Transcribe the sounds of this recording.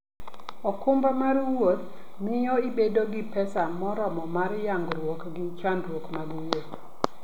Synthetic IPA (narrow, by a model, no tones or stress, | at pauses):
ɔkʊmbɾamaɾuwot̪̚ | mɪjɔibedoɡɪpɛsamɔɾɔmɔmaɾjaŋɡɾwokɡɪt͡ʃandɾwokmaɡuwot̪